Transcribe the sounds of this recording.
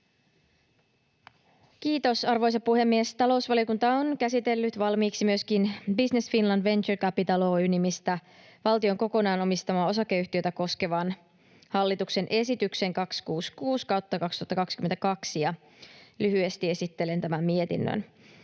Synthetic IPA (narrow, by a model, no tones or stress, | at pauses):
kiːt̪o̞sɑrʋojs̬ɑpuhe̞mːiest̪ɑlo̞usʋɑlio̞kunt̪ɑonkæsit̪e̞lːyt̪ʋɑlmiːksimyø̞skinbisne̞sfinlɑndʋe̞nt͡ʃerkæpit̪ɑlo̞ːynimist̪æ | ʋɑlt̪io̞ŋko̞ko̞nɑːnomist̪ɑmɑːo̞s̬ɑkːe̞yht̪iø̞jt̪æko̞ske̞ʋɑn | hɑlːit̪ukse̞nʔe̞sit̪ykse̞ŋkɑkskuːskuːskɑwt̪ːɑkɑkst̪uɑt̪ːɑkɑkskyme̞nt̪ækɑksjɑ | lyɦye̞st̪ie̞sit̪ːele̞nt̪æmæmmie̞t̪ḭnːø̰n